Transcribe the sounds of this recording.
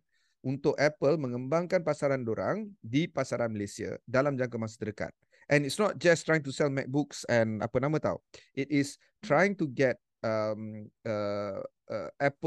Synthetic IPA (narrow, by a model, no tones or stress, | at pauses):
ʔunt̪ʊkɛpəlmə̃ŋəmbaŋkanpasaɾandoɾa̰ŋdipasaɾanməlesia̰dalamd͡ʒaŋkamas̬ḁdəɾəka̰t̪̚ | ʔɛ̃nitsnɔt̚d͡ʒastɾajiŋt̬usɛlmɛ̰k̚buksɛ̃na̰pənãmãt̪a̰wʔitɪs | tɾajɪ̃ŋtuɡɛt̚ | əmə | ʔɛpə